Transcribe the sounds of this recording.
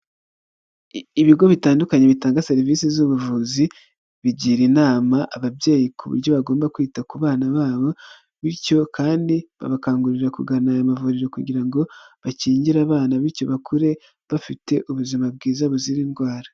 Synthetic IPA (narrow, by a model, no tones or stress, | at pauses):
iβiɡo̞βitaːndukaɲe̞βitaːŋɡase̞ɾivisizuβuvuzi | βiɟiːɾinaːmaʔaβabje̞ːjikʰuβṵɾɟo̞βaɡo̞ːmbakwiːtakuβaːnaβaːβo̞ | βiɾco̞kaːndiβa̰βakaːŋɡuɾiɾakuɡanajamavuɾiɾo̞kuɟiɾaŋɡo̞βaciːɲɟiɾaβaːnaβiɾco̞βakʰuɾe̞ | βafite̞ʔuβuzimab̚ɡiːzaβuziɾiːnɡwaːɾa